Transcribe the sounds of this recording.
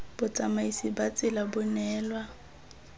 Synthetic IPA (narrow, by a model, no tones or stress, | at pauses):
b̥ʊt͡sʼamaisibat͡sʼɪlabʊnɛːlwa